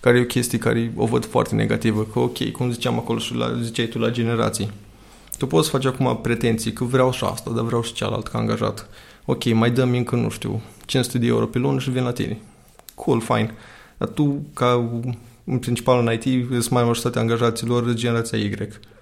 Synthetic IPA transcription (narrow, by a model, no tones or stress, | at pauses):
kaɾejeokʲʰe̞st̪ijeka̰ɾeo̞̰vəd̪foa̰rt̪e̞ne̞̰ɡa̰t̪ivəkəokʲe̞̰jkumzit͡ʃeamako̞lo̞ʃila̰zit͡ʃajt̪ulad͡ʒe̞ne̞ɾa̰t̪sij | t̪upot̪sfat͡ʃakuma̰pɾe̞t̪e̞nt̪sijekəvɾeawʃia̰st̪ad̪avɾeawʃi̥t͡ʃa̰la̰lt̪ka̰ːŋɡaʒa̰t̪ | o̞kʲe̞jmajd̪əmɨŋkənṵʃt̪ḭwt͡ʃinst̪ed̪eeuɾo̞̰pilonʃivinlat̪ḭne | kʰulfa̰jn | d̪a̰t̪uka | ɨnpɾint͡ʃi̥palɨnajt̪iəst̪maamaʒoɾit̪at̪ʲaːŋɡaʒat̪siːlo̞rd͡ʒene̞ɾat̪siaiɡɾek